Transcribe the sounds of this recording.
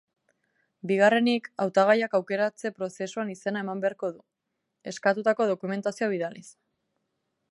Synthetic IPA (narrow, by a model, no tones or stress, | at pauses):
biɣ̞are̞nikawt̪aɣ̞ajakawke̞ɾat͡se̞pɾo̞se̞suanise̞nae̞mambe̞aɾko̞ðu | e̞skat̪ut̪ako̞ð̞o̞kume̞nt̪asioβ̞iðalis